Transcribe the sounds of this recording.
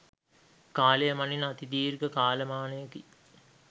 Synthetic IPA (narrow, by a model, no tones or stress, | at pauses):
kaːləjəmaninat̪id̪iːrɡəkaːləmaːnəjəki